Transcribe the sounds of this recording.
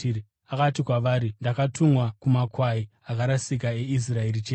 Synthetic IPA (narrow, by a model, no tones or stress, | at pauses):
i | akatikwaʋaːɾindakatʰumwakumakwaiakaɾasik̬ae̞is̬rae̞rit͡ʃeː